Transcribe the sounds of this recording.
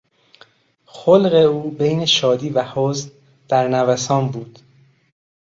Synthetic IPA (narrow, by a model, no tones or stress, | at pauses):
xolɣe̞uːbejneʃɒːd̪iːvæhoːzn | d̪̥æɾnævæsɒːnbuːd̪̥